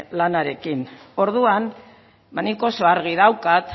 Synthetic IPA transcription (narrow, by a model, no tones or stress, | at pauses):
lanaɾe̞kino̞ɾðuan | maniko̞soaɾɣ̞iðawkat̪